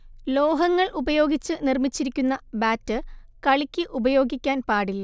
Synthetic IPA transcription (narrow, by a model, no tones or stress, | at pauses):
lo̞ːɦɐŋːɐɭʔubɐjo̞ːɡit͡ɕːɨnirmit͡ɕːiɾikʲːunːɐbaːtːɨkɐɭikʲːɨʔubɐjo̞ːɡikʲːaːnpaːɽilɐ